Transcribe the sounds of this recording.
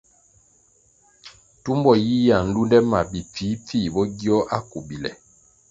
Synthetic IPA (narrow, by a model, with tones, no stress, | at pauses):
tu˦mbɔ˨ji˦ja˨n̩˦du˦ndɛ˦ma̰˨bi˨p͡fiː˨˦p͡fi˦˨bɔ˦ɡi˦ɔ˦ʔa˦ku˨bi˨lɛ̰˨